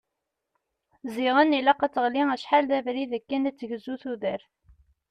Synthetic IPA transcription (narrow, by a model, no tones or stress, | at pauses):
ziʁənːilɑqːæt͡sːəʁliŋæʃħalðævɾiðəkːænæt͡sːəʝəzːuθuðəɾθ